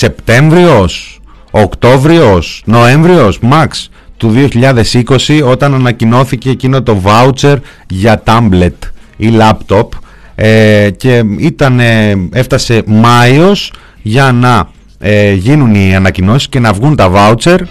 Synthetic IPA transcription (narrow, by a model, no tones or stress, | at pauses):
se̞pt̪e̞ɱvɾio̞s | okt̪o̞vɾio̞sno̞eɱvɾio̞smɐks | t̪uðio̞çiʎɐðe̞siko̞sio̞t̪ɐnɐnɐcino̞θice̞ːcino̞t̪o̞vɐut͡se̞ɾ | ʝɐt̪ɐmble̞t̪ilɐpt̪o̞p | ece̞it̪ɐnee̞ft̪ɐse̞mɐio̞s | ʝɐnɐ | eʝinuniɐnɐcino̞si̥sce̞nɐvɣunt̪ɐvɐut͡se̞ɾ